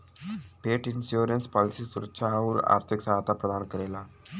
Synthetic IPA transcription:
peʈinsjoɾənspɔlisiːsuɾəkʃʰauɾa̰ɾt̪ʰiksaɦat̪apɾəd̪ʱankəɾela

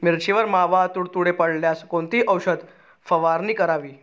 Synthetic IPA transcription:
miɾt͡ɕiʋəɾmaʋat̪uːɽt̪uɽepəɽljaskont̪iːʔəwɕəd̪ | fəʋaɾniːkəɾaʋiː

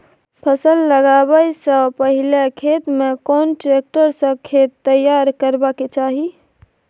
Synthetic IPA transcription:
pʰəsəlːəɡabəjsə̃pəɦilekʰet̪mekonʈɾek̚ʈəɾsə̃kʰet̪ːəjaɾkəɾbaket͡ʃaɦi

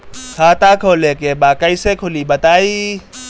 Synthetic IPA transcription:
kʰaːt̪akʰoːlekebaːkɐisekʰʊlibɐt̪aːiː

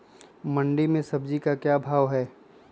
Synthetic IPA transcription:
mɐ̃ɳɖimẽsɐbd͡ʒikakjaːbʱaːʋɦɛː

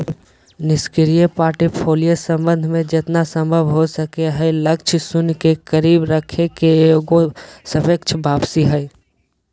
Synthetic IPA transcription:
nɪskɪɾijepaːʈepʰoːlijəsə̃mbə̃nd̪ʱmẽd͡ʒɪt̪nasə̃mbʱəʋɦosəkeɦɛɪləkt͡ʃʰsʊnkekəɾiːbɾəkʰekeoɡosəbək̚t͡ʃʰbʱaːpsiɦɛɪ

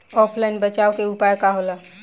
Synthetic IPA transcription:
ɔpʰlajnbət͡ʃaokeupajkaɦola

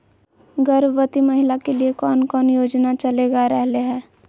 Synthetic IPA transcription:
ɡəɾʋət̪imɐɦɪlakeliekɔːnkɔːnjoːd͡ʒnat͡ʃɐleːɡaɾɛɦleɦɛ̃ː

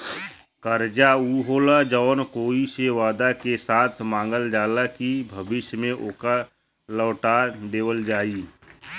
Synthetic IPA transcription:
kəɾd͡ʒauɦoːlad͡ʒɔːnkoːiseʋaːd̪akesaːt̪ʰmãːŋ̆ɡəld͡ʒaːlakibʱəbɪʃjmẽʔoːka | ləːʈad̪eːwəld͡ʒaːi

